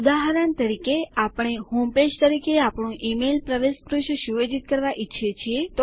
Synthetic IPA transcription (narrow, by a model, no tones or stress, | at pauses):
d̪aɦɾənt̪əɾikeapɳ̃eɦomped͡ʒt̪əɾikeapɳ̃ũʔimelpɾəʋespɾuʃʃuʋed͡ʒit̪̚kəɾʋaʔitːʃʰet͡ʃʰiet̪o